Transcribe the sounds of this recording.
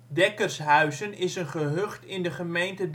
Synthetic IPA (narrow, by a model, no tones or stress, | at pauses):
dɛkərsɦœɥzənɪsənχəɦøχtɪndəχəmejntəd